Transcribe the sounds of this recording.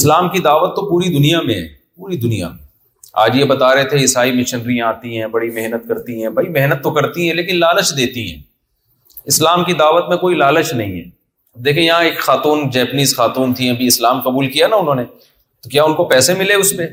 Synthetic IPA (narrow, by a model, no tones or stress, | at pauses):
ɪslaːmkid̪aːʋət̪ːopuːɾid̪ʊnijamḛ̃ɦɛ̰̃ːpuːɾid̪ʊnija̰mḛ̃ | a̰ːd͡ʒjebɐt̪aːɾɐɦet̪ʰeɪsaːimɪʃɪnɖɾĩaːt̪iɦɛ̃bɐɽimɛɦnət̪kɐɾt̪iɦɛ̃ːbʱɐimɛɦnət̪ːokɐɾt̪iɦɛ̃leːkɪnlaːlət͡ʃd̪eːt̪iɦɛ̰̃ː | ɪslaːmkid̪aːʋət̪mẽkoːilaːlət͡ʃnɐ̰ɦĩɦɛ̰ː | d̪eːkʰẽjɐɦãeːkxaːt̪uːnd͡ʒɛːpniːzxaːt̪uːnt̪ʰĩɐbʱiɪslaːmqɐbuːlkijanaʊnɦõːne | t̪okjaːʊnkopɛːsemɪleʊspe